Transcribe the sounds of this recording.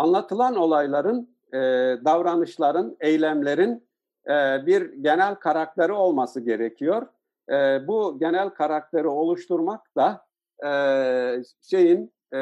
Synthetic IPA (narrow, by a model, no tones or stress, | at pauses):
anlˠat̪ʰɯlˠano̞lˠajlˠaɾɯn | d̪avɾanɯʃlˠaɾɯnejlʲæmlʲe̞ɾin | biɾɟe̞nælʲkʰaɾak̚t̪eɾio̞lˠmasɯɟe̞ɾecʰijo̞ɾ̥ | buɟe̞nælʲkʰaɾak̚t̪ʰe̞ɾio̞lˠuʃt̪uɾmak̚d̪̥a | ʃe̞jin